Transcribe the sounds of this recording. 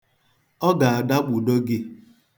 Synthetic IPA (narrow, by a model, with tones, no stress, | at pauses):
ɔ˦ɡa˨a˨da˦ɡ͡bu˨do˦ɡɪ˦